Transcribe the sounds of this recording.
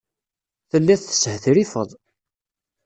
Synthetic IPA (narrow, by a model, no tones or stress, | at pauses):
θəlːæθθə̥shθɾifəðˤ